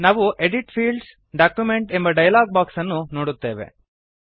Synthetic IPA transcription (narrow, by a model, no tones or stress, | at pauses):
naːʋuʔeɖiʈpʰiːɭɖs | ɖaːkjumeɳʈe̞mbɐɖɐjɐlaːɡ̚baːksɐnːuno̞ːɽut̪ːe̞ːʋe̞̰